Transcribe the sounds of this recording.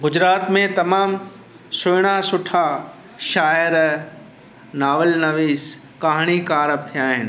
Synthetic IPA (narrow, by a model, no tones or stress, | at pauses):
ɡʊd͡ʑɾaːt̪mẽt̪ɐmaːm | sʊɪɽ̃asʊʈʰa | ʃaːəɾ | naːʋəlnɐʋiːs | kaːɦɽ̃ikaːɾəb̚t̪ʰijaːɦɪnɪ